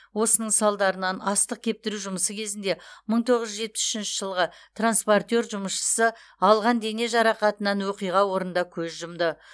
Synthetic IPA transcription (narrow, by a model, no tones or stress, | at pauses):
wo̞sənəɴsɑlˠd̪ɑɾənɑnɑst̪əq̚kʲʰe̞p̚t̪ɪɾuʒʊməsəkʲʰe̞zɪnd̪e̞məɴt̪ʰo̞ʁəzʒʒet̚pɪsʏ̥ʃɪnʃɪʒ̥əlˠʁət̪ranspo̞rt̪ʲe̞rʒʊməʃʃə̥sə | ɑlˠʁɑnd̪e̞ne̞ʒɑɾɑqɑt̪ənɑnwoqijʁɑwo̞ɾənd̪ɑkʲʰɵzʒʊmd̪ə